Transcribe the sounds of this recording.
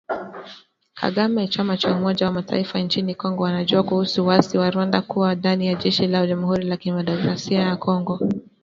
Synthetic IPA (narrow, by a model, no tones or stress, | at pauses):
kʰa̰ɠamɛt͡ʃamat͡ʃaumɔʄawamatʰa̰ifant͡ʃinikɔŋɡɔwanaʄuakuhusuwaziwaɾuwandakuwadanijaʄɛʃilaʄamuhuɾilakimadɔkɾasiajakɔŋɡɔ